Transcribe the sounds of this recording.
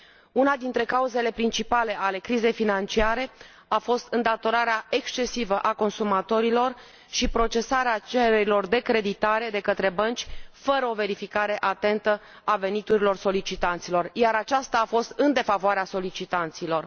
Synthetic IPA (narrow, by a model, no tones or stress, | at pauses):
unad̪int̪ɾe̞kauze̞le̞pɾint͡ʃipale̞ʔale̞kɾize̞jfinant͡ʃiaɾe̞ | afo̞st̪ɨnd̪at̪o̞ɾaɾeae̞kst͡ʃe̞sivəʔako̞nsumat̪o̞ɾilo̞r | ʃipɾo̞t͡ʃe̞saɾeat͡ʃeɾeɾilo̞rd̪e̞kɾe̞d̪it̪aɾe̞d̪e̞kət̪ɾe̞bənt͡ʃʲfəɾəo̞ve̞ɾifikaɾe̞ʔat̪e̞nt̪ə | ave̞nit̪uɾilo̞rso̞lit͡ʃit̪ant̪silo̞rjaɾat͡ʃast̪aːfo̞st̪ɨnd̪e̞favoaɾeaso̞lit͡ʃit̪ant̪silo̞r